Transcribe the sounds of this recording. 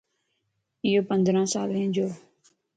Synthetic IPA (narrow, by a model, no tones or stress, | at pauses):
ɪːoːpə̃nd̪ɾãːsaːlẽːd͡ʒoː